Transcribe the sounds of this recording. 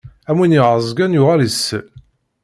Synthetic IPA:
æmwinjiʁəzˤɡænjʊʁæləsːə

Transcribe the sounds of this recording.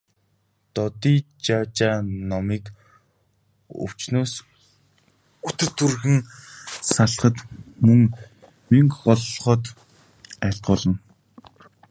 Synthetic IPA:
t̪ɔt̪iːt͡ɕaːt͡ɕaːnɔmiːk | ɵ̰w̥t͡ɕnoːs | ut̪ɘ̆rt̪ʰurxɘ̆ŋsaɮχə̆t̪mɵŋ | miŋkːɔɮːχɔ̆ːt̪ | æɬt̪̚ɢʊːɮə̆n

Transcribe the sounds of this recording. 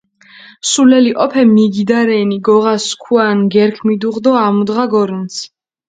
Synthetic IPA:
sulɛliʔʼɔpʰɛmiɡid̪aɾɛniɡɔʁaskʰuanɡɛɾkʰmid̪uʁd̪ɔamud̪ʁaɡɔɾuns

